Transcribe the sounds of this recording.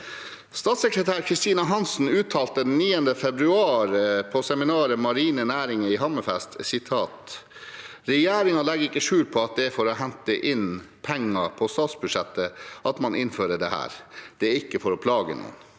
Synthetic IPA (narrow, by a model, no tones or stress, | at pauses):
st̪ɑːt̪sɛkɾət̪ʰæːɾkʰɾɪst̪iːnɑɦɑnsn̩ʉːt̪ʰːɑːlt̪əd̪ɛnnːiːənd̪əfɛbɾʉɑːɾpʰɔsɛmɪnɑːɾəmɑɾiːnənæːɾɪŋəɪɦɑmːəfɛst̪sɪt̪ʰɑːt̪ | ɾɛjeːɾɪŋɑlɛɡəɾɪkːəʂʉːlpʰɔɑt̪̚d̪ɛfɔɾɔɦɛnt̪əʔɪn | pʰɛŋːɑpʰɔst̪ɑːt̪sbʉd̪ʂɛt̪ːəʔɑt̪mɑnɪnføːɾəɖɛhæ̰ːɾd̪̥ɛæɾɪkːəfɔɾɔpʰlɑːɡə̰nṵːə̰n